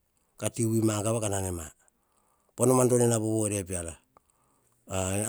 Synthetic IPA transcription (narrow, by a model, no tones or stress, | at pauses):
katiwimaɡaβakananema | ponomando̞nenaboβoeɾe̞piala